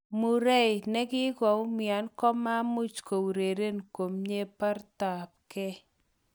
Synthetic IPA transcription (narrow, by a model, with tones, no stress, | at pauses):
mu˨ɾɛ˦jnɛ˦kɪ˦ɡɔ˨˦mɪa˨nkɔ˦ma˦mu˦t͡ʃko˨wɾe˨ɾe˦nko˨mɲe˦pa˦rt̪a˨p̚kɛ˦